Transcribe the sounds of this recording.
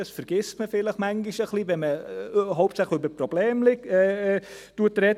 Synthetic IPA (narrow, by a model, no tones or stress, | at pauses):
ɑsfəɾɡ̥ɪstməfɪləχmæŋɡiʃəχlivɛnməɦoʊp̚tsæχləybəɾprobleːmlɪɡɛ | tuətɾɛ